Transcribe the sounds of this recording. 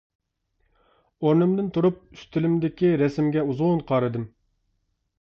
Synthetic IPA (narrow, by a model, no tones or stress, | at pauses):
oɾnɨmd̪ɨnt̪ʰuɾup̚yst̪ɪlɪmd̪ɪkʲiɾɛsɪmɡʲɛuzunqʰɑːɾɨd̪ɨm